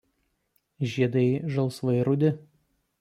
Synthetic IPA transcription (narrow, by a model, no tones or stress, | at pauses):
ʒʲiɛd̪ɐɪʒɐlˠˑsʋɐɪɾʊd̪ʲɪ